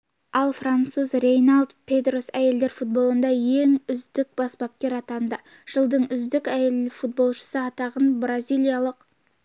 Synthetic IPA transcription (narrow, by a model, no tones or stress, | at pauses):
ɑlˠfrant̪suzrejnalˠd̪pʰʲed̪ro̞sæje̞ld̪e̞ɾfut̪̚bo̞lˠənd̪ɑje̞ŋʏzd̪ɪk̚bɑsbɑp̚kʲe̞ɾɑt̪ɑnd̪ə | ʒ̥əlˠd̪əɴʏzd̪ɪkæjelɪfut̪̚bo̞lˠʃə̥səɑt̪ɑʁənbrazʲijlʲˠijalˠəq